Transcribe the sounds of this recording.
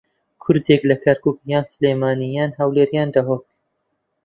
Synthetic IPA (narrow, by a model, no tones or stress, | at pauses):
kʰʊɾd̪eklɐkʰɐɾkuːkjaːnsɨleːmaːnijaːnhɐwleːɾjaːnd̪aɦoːt̪